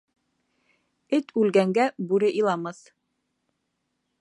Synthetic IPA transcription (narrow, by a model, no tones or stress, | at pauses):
ɘt̪ʰʉlɡæŋɡæbʉɾɘʔilˠɑmɤθ